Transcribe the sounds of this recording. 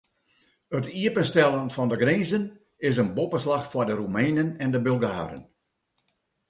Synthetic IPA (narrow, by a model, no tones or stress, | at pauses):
ətiəpənstɛlˠənfɔndəɡriːzən | ɪs̬ənbopəslaxfwɔdərumɛjnənɛndəbølˠɡa̰ːɾə̰n